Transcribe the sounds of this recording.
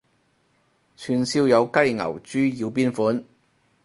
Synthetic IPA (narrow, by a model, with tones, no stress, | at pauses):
t͡ʃʰyː˨˩nsiː˧wjɐ˨˧wkɐ˥jŋɐ̰˨˩wt͡ʃyː˥ji˧wp̬iː˥nfuː˨˥n